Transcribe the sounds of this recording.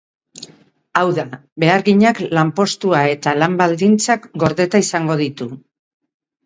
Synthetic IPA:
awðaβe̞aɾɣiɲaklampo̞st̪uae̞t̪alambald̪int͡sakɡo̞ɾðe̞t̪aisaŋɡo̞ð̞it̪u

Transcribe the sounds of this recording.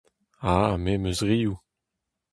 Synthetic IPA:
amemøzʁiːu

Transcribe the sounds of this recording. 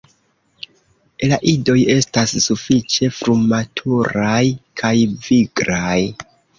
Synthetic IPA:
elaʔido̞je̞stasːufit͡ʃe̞fɾumatʰuɾajkʰajviɡɾaj

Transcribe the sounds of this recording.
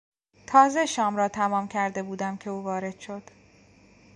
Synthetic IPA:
t̪ʰɒːze̞ʃɒːmɾɒːt̪ʰæmɒːmcʰæɾd̪e̞buːd̪æmcʰe̞uːvɒːɾe̞d̪̥ʃo̞d̪̥

